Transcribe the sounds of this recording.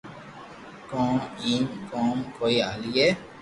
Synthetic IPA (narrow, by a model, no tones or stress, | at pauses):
kɔ̃ːiːmkɔ̃ːmkoːiaːlieː